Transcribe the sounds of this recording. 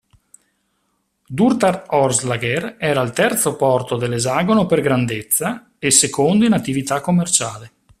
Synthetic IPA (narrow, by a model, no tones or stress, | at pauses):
d̪urt̪arɔrzlaɡerɛːɾailt̪ɛrt̪sopɔrt̪od̪elːezaːɡonoperɡɾand̪et̪sːa | esːekond̪oinat̪ːivit̪akːomːert͡ʃaːle